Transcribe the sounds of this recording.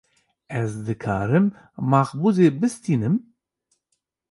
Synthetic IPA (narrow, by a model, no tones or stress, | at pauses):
ɛzd̪ɨkʰa̰ːɾɨmː | ɑːxbuzeːbɨst̪iːnɨm